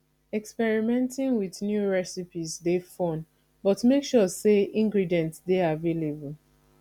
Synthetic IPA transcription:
ɛkspɛɹimɛ̃ntĩŋwiðnjuɹɛsipizdefɔ̃n | bɔtmekʃɔseĩŋɡɹidiɛ̃ntsdeavelebul

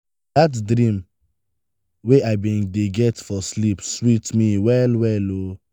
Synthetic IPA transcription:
datdɾĩm | weaɪbĩndeɡɛtfɔslipswitmiwɛlwɛlo

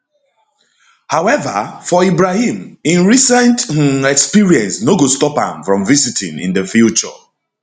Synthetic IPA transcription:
hawɛvə̰fɔibɹahĩmĩnɹisɛ̃nt̩ɛkspiɹiɛ̃nsnoɡostɔpã̰mfɹɔ̃mvizitʰḭ̃nḭ̃ndəfjut͡ʃɔ̰

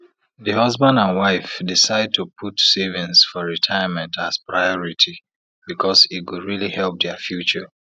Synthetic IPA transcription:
ðɨhʌzbãndãnwaɪfdisaɪd̚tʰupʰutsevĩnsfɔɹitʰaɪəmɛ̃ntazpɹaɪɔɹitʰi | b̥ikʰɔsit̚kudɹilihɛlp̚dɛfjut͡ʃə

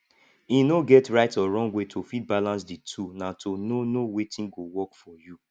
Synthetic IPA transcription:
inoɡɛtɹaɪtɔɹɔ̃ŋɡwetʰofid̚balãns̬ditʰunatʰononowetĩnɡowɔkfɔju

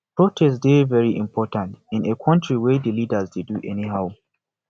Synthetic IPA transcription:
pɹotʰɛsdevɛɹiʔɪ̰̃mpʰɔtãntɪ̃nekʰɔ̃ntʰɹiwedəlidəzdeduʔɛniɦaʊ

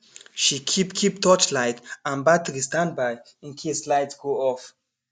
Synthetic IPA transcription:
ʃikʰipkʰip̚tʰɔt͡ʃlaɪtãnbatɹistãnd̚baj | ĩnkʰeslaɪtsɡ̥oɔf

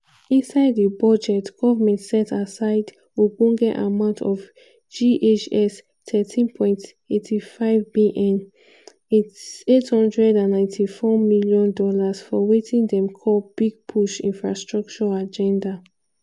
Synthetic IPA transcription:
ĩnsaɪddəbɔd͡ʒɛtɡ̥ɔvamɛ̃ntsɛtasaɪd | wiɡõɡɛta̰mãʊ̃ntʰɔv | d͡ʒiʔet͡ʃɛs | tʰɛtʰĩnpʰɔ̃ɪ̃nt | etʰifaɪvbiʔɛ̃n | itethɔ̃ndɹɛdãnːãɪ̃ntʰifɔmiljɔ̃ndɔlasfɔwetʰĩŋdɛ̃mkʰɔlb̥iɡ̚pʰuʃĩnfɹa̰stɹɔk̚t͡ʃɔad͡ʒɛ̃nda

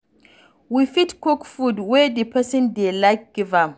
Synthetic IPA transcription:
wifitkɔkfudwedipɐsɪ̃ndelajk̚ɡ̥ivam

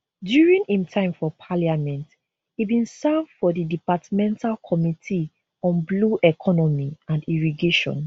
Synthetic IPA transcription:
djuɹĩŋhĩmtʰãɪ̃mfɔpʰaliamɛ̃nt | hibĩnsɛvdfɔdidipatmɛ̃ntʰalkʰɔmitʰi | ɔ̃nbluʔɛkʰɔnɔmiãndiɹiɡeʃɔ̰̃n

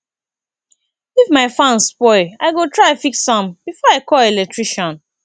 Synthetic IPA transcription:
ifmaɪfãnspɔɪaɪɡotɹafiksɔ̃mbifɔaɪkɔlɛlɛk̚tɹiʃɔ̃n

